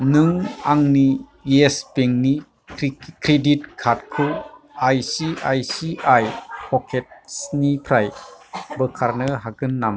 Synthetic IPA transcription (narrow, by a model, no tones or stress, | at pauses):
nɯŋaŋni | espeŋni | kɾedit̚kʰat̚kʰɯ | ajsiajsiʔajpʰɔkʰet̚snipʰɾajbɯkʰaɾnɯɦaɡɯnːam